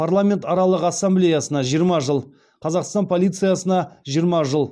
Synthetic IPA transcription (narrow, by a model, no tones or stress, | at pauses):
pʰaɾlˠamʲe̞nt̪ɑɾɑlˠəqasːamblʲejasənɑʒijəɾmɑʒəlˠ | qʰɑzɑqst̪ɑnpʰolʲijt̪sɨjasənɑʒijəɾmɑʒəlˠ